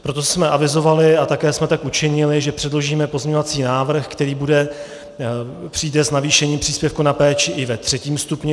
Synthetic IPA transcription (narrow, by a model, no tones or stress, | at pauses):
pɾo̞t̪osmɛʔavɪzo̞valɪat̪akɛːsmɛt̪akʔut͡ʃɪɲɪlɪʒɛpr̥ɛdlo̞ʒiːmɛpo̞zmɲeɲovat͡siːnaːvr̩xkt̪ɛɾiːbudɛ | pr̥iːdɛznaviːʃɛɲiːmpr̝̥iːspjɛfkunapɛːt͡ʃɪʔɪvɛt̪r̝̥ɛciːmst̪upɲɛ